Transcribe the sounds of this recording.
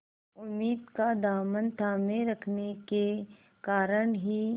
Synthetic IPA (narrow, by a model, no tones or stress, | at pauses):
ʊmːiːd̪kad̪aːmənt̪ʰaːmẽɾɐkʰneke | kaːɾəɽɦi